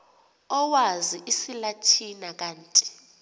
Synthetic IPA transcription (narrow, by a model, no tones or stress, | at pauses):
ɔwaziʔisilatʰinak̬aːntʼi̥